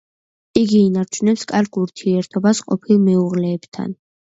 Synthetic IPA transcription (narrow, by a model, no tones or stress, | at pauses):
iɡiːnaɾt͡ʃʰunɛpskʼaɾɡuɾt̪ʰiɛɾt̪ʰɔbasqʼɔpʰilˠmɛuʁlɛːb̥t̪ʰa̰n